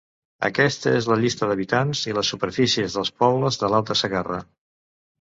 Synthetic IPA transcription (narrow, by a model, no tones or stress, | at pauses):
ə̰kɛst̪əezləʎist̪əðəβit̪anziləsːupəɾfisiəzðəlˠspɔβləzðəlalˠt̪əsəɣarə̰